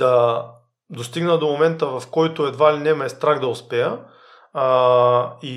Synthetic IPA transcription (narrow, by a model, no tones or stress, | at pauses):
d̪̥ɐ | d̪ost̪iɡnəd̪omomɛnt̪əvɐfkɔjt̪oɛd̪vailʲinɛmɐɛst̪ɾaɡd̪ɐʊspɛjə | i